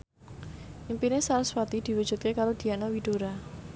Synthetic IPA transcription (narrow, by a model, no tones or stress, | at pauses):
ʔimpinesaɾaswat̪id̪̥iwud̥ʒ̥ṳt̪̚kekaɾod̪̥i̤anawiɖ̥oɾa